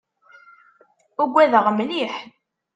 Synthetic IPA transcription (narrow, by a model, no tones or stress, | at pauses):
uɡʷːæðəʁmniħ